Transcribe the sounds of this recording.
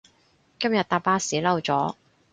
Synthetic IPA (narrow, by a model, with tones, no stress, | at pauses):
kɐ˥mjɐ˨t̪̚aː˧paː˥siː˨˥lɐ˧wt͡sɔː˨˥